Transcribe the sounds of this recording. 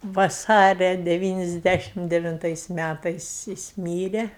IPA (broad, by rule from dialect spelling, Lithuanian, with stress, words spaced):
ʋɐˈsɑːrʲɛ dʲɛˈʋʲiːnʲɪzʲˌdʲæʃʲɪm dʲɛʋʲɪnˈtɐɪs ˈmʲætɐɪs jɪs ˈmʲiːrʲɛ